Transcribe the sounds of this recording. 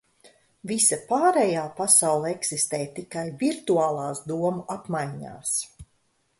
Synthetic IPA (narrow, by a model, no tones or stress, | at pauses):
visapaːɾɛjaːpasawlˠɛksist̪ɛːjt̪ikajviɾt̪uaːlˠaːsd̪uɔmuʔapmajɲa̰ːs